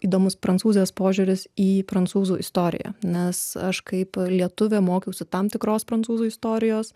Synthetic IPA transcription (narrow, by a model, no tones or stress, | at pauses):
iːd̪oːmʊspɾɐntsuːzʲɪjɛːspoːʒʲuːɾʲɪsiːpɾɐnsuːzuːʔɪst̪oːɾʲɪ̰jæ̰ːnʲɛsɐʃkɐɪplʲiɛt̪ʊʋʲeːmoːkʲɛʊsʲɪt̪ɑmt̪ʲɪkɾoːspɾɐnt͡ssuːzuːɪst̪oːɾʲɪjoːs